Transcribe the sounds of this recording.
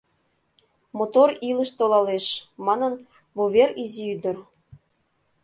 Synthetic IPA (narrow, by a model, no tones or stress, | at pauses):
mot̪oɾiləʃt̪olɑleʃmɑnɤn | βoβeɾiziyd̪ə̆r